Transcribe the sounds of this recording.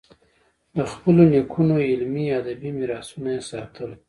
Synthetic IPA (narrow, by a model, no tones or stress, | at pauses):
d̪əxpəlonekʰunoɪlmiad̪abimiɾɑsunaesɑt̪ʰəl